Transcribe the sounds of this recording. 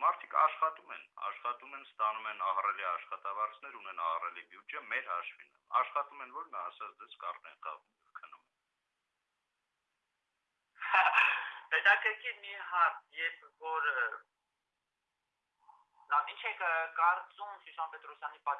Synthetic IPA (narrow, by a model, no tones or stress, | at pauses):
mɑɾt̪ʰikʰɑ̰ʃχɑt̪umɛ̰nɑ̰ʃχɑt̪umɛnst̪ɑnumɛnɑhrɛliɑʃχɑt̪ɑvɑɾt͡sʰnɛɾunɛnɑhrɛlibjud͡ʒɛmɛɾɦɑʃvinə̰ɑʃχɑt̪umɛnvɔɾnɑːsɑt͡sʰd̪ɛskɑrnɛnɑ̰ʁum | kʰənːumɛn | hɛt̪ɑkəɾkʰimiɦɑɾt̪jɛɾpʰvɔɾ | int͡ʃʰɛkʰkɑɾt͡sumsusɑnpɛt̪ɾɔsjɑnipɑ